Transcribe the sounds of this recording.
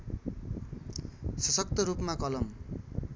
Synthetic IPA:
sʌsʌk̚t̪ʌɾupmakʌlʌm

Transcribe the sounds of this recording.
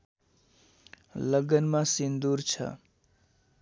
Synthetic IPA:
ləɡənmãsind̪uɾt͡ʃʰʌ̰

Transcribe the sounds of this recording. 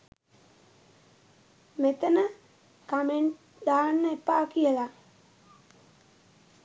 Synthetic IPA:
met̪ənə | kameɳʈ | d̪aːnːəepːaːkijəla

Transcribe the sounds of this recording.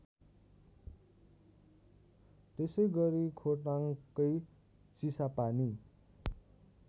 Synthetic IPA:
t̪esʌjɡʌɾikʰoʈaŋkʌj | t͡sisapani

